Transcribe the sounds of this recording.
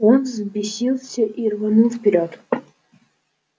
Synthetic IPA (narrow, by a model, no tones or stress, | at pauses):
onzbʲɪsʲilˠsʲəʔirvɐnulˠfpʲɪɾʲot̪